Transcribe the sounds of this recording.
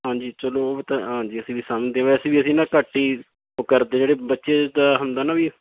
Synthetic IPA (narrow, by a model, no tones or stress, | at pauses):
ɦãːd͡ʒiːt͡ʃəloːt̪aɦãːd͡ʒiːəsĩːʋiːsəmd̪eːãːʋɛsĩːʋiːəsĩːnãːkəʈːiː | okəɾd̪ẽːd͡ʒeːɽeːbətːʃeːd̪aːɦənd̪aːnaːʋiː